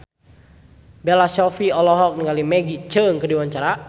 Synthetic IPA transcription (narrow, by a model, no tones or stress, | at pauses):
bɛlasɔfiɔlɔɦɔk̚niŋalimɛɡit͡ʃəŋkədiwaɲt͡ʃaɾa